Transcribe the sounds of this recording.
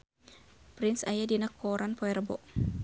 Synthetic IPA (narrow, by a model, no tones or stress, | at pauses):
pɾɪnsajadinakʰɔɾʔanpɔɛɾbɔ̰